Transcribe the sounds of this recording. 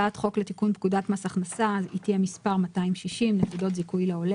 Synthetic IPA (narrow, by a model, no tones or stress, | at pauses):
atχo̞kle̞tikunp̚kudatmasaχnasaitjemispaʁmataimʃiʃimnekudo̞tzikujleo̞le